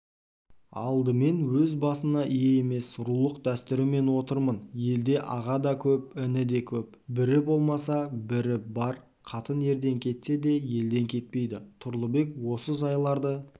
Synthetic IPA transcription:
ɑ̰lˠd̪əme̞nwɵzbɑsənɑʔije̞eme̞sːʊɾulˠəqd̪æst̪ɪɾɪme̞nwo̞t̪əɾmənje̞ld̪e̞ʔɑʁɑd̪ɑkʲʰɵp̚ɪnɪd̪e̞kʲʰɵp | bɪɾɪbo̞lˠmɑsɑbɪɾɪbɑɾ | qʰɑt̪ənje̞ɾd̪e̞ŋkʲʰe̞t̪se̞d̪e̞je̞ld̪e̞ŋkʲʰe̞t̪̚pe̞jd̪ɪt̪ʰʊɾlˠəbe̞kwo̞səʒɑjlˠɑɾd̪ə

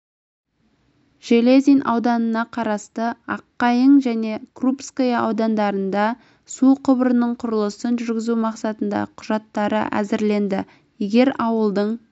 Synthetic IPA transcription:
ʒ̥elezʲijnʔɑ̰wd̪ɑnənɑqʰɑɾɑst̪əɑqːɑjəɴʒæne̞krupskojɑʔɑwd̪ɑnd̪ɑɾənd̪ɑ | suqʰʊbəɾənəɴqʰʊɾəlˠəsənʒʏɾɡʲɪzumɑqsɑt̪ənd̪ɑ̰qʰʊʒɑt̪ːɑɾə̰ʔæ̰zɪɾle̞nd̪ɪ | jeɡʲe̞ɾɑwəlˠd̪əɴ

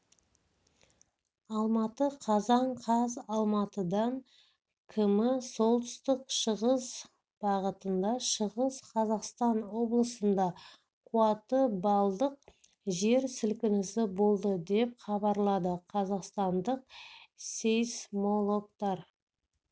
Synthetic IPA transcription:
ɑlˠmɑt̪əqʰɑzɑɴqʰɑzɑlˠmɑt̪əd̪ɑŋ | kʲʰɪmɪso̞lˠt̪ə̥st̪ɪqʃəʁəz | b̥ɑʁət̪ənd̪ɑʃəʁəzqʰɑzɑqst̪ɑnwo̞blˠəsənd̪ɑ | qʰuɑt̪əbɑlˠd̪əq̚ | ʒe̞ɾsɪlkʲɪnɪsɪbo̞lˠd̪əd̪e̞p̚χɑbɑɾlˠɑd̪əqʰɑzɑqst̪ɑnd̪əq̚sejsmolˠo̞kt̪ɑɾ

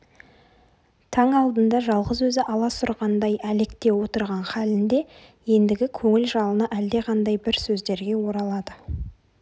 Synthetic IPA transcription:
t̪ʰɑŋɑlˠd̪ənd̪ɑʒɑlˠʁəzwɵzɪʔɑlˠɑsʊɾʁɑnd̪ɑjælekt̪e̞wo̞t̪əɾʁɑnχɑlɪnd̪e̞ | je̞nd̪ɪɡʲɪkʲʰɵŋɪlʒɑlˠənɑʔæld̪e̞ʁʰɑnd̪ɑjbɪɾsɵzd̪e̞ɾɡʲe̞wo̞ɾɑlˠɑd̪ə

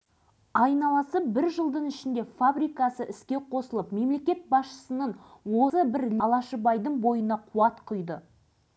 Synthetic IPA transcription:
ɑjnɑlˠɑsəp̚bɪɾʒəlˠd̪əɴɪʃɪnd̪e̞fabɾijkɑsəʔɪskʲe̞qʰo̞səlˠəpme̞mle̞kʲe̞t̪̚bɑsʃə̥sənəɴwo̞səbɪɾlɑlˠɑʃəbɑjd̪əɴbo̞jənɑqʰuɑt̪qʰʊjd̪ə

